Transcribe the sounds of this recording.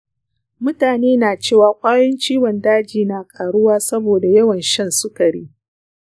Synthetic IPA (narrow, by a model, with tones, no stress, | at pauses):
mʊ˦taː˨neː˦naː˨t͡ʃeː˦˨waː˨kʷʼaː˦jɐ˦nt͡ʃiː˦wɔ˨ndaː˦d͡ʒiː˨na˨kʼaː˨ɽʊ˦waː˦sɐ˦boː˨da˨jɐ˦wɐ˨nʃɐ˦nsʊ˦kɐ˨ɽḭː˦